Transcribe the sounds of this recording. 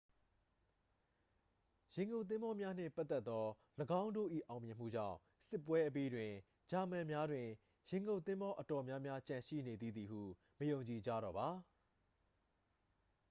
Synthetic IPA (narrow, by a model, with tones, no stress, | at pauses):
jɪ̃˨ŋɡõ˨t̪̬ɪ̃˦mbɔ˦mja˦n̥ɪ̰̃˦˨pa˦t̪ːɛ˦t̪ːɔ˦ | ləɡã˦ʊ̃ndo̰˦˨ʔḭ˦˨ʔã˨ʊ̃mjɪ̃˨m̥ṵ˦˨d͡ʑã̰˦˨ʊ̃ | sɪ˦pːwɛ˦ʔəp̬i˦dwɪ̃˨ | d͡ʑa˨mɛ̃˨mja˦dwɪ̃˨ | jɪ̃˨ŋɡõ˨t̪ɪ̃˦mbɔ˦ʔətɔ˨mja˦mja˦t͡ɕã˨ʃḭ˦˨ne˨d̪i˦˨d̪ði˨hṵ˦˨ | məjõ˨ʊ̃ɲt͡ɕi˨d͡ʑa̰˦˨ɾɔ̰˨ba˨